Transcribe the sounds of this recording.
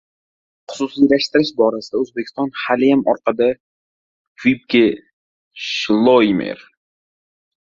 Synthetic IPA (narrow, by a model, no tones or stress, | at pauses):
χʊ̥sʊsijlaʃt̪ɪɾɪʃbɒɾasɪd̪aɵzbekʲʰɪ̥st̪ɒnhalɪjamɒɾqɑd̪a | vip̚kʰʲe | ʃlˠojmḛɾ